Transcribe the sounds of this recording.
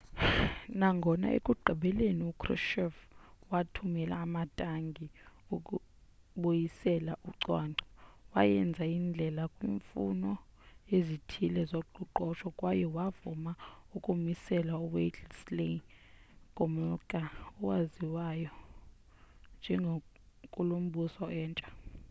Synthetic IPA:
naŋɡʱɔna̰ʔḛkʼuɡ͡ǃʱiɓɛleniukʰʼrɔ̰ʃɔfwatʰumɛla̰ːmatʼaŋɡʱiukʼu | ɓojisɛlaʔuǀwaːnʱɔwa̰jɛnd͡zʱaind͡ɮʱɛlakʼwiːɱfunɔezitʰilɛzoɡ͡ǃʱuǃɔʃɔkʼwajɛwavumaukʼumisɛlauwet͡ɬsle | kʼɔmɔkʼaɔwaziwajɔ | nd͡ʒʱɛŋɡʱo | kʼulom̩ɓusɔɛːnt͡ʃʼḁ

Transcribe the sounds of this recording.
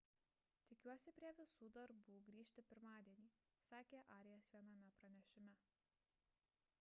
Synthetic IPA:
t̪ʲɪkʲuɔsʲɪpʲɾʲiɛʋʲɪsuːd̪ɐɾbuːɡɾʲiːʃʲt̪ʲɪpʲɪɾmɑːd̪ʲiɛnʲiː | sɑːkʲeːʔɑːɾʲɪjɛsʋʲiɛnɐmʲɛpɾɐnʲɛʃʲɪmʲɛ

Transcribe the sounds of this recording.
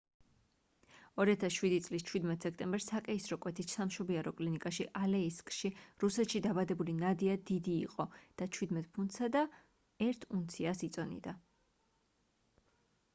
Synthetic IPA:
ɔɾiat̪ʰasʃwid̪it̪sʼlist͡ʃʰwid̪mɛt̪ʰsɛkʰt̪ʼɛmbɛɾsakʼɛisɾɔkʼwɛt̪ʰit̪samʃɔbiaɾɔkʼlinikʼaʃiʔalɛiskʼʃiɾusɛt̪ʃid̪abad̪ɛbulinad̪iad̪id̪ḭːqʼɔd̪̥at͡ʃʰwid̪mɛt̪̚ʼpʰunt̪sad̪a | ɛɾt̪ʰunt̪sʰiasit̪sʼɔnḭd̪a

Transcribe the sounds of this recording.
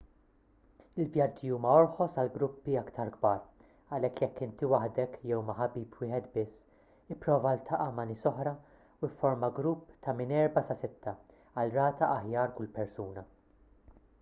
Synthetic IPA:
ɪlvjɐd͡ʒːiuːmɐɔɾħɔsɐlɡɾʊpːiɐkt̪ʰɐɾɡbɐːɾ | ɐlɛkːjɛkːɪnt̪iwɐħd̪ɛkjɛwmɐħɐbiːpwɪːħɛt̪bɪsː | ɪpːɾɔːvɐlt̪ʰɐʔɐmɐnɪːsɔħɾɐ | uɪfːɔɾmɐɡɾupːt̪ʰɐmɪnɛɾbɐsɐsɪt̪ʰːɐ | ɐlɾɐːt̪ɐʔɐħjɐːɾkʊlpɛɾsuːnɐ

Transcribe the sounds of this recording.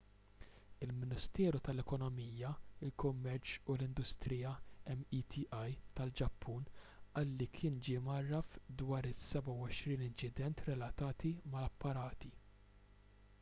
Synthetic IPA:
ɪlmɪnɪst̪ɛːɾut̪ɐlɛkɔnɔmiːjɐɪlkʊmːɛɾt͡ʃulɪnd̪ʊst̪ɾijɐɛmːit̪ʰiʔɐjt̪ɐld͡ʒɐpʰːuːnʔɐːlːikʰɪːnd͡ʒimɐrːɐfd̪wɐːɾɪsːɛbɐwɔʃɾiːnɪnt͡ʃɪd̪ɛnt̪ɾɛlɐt̪ɐːt̪imɐlɐpːɐɾɐːt̪i

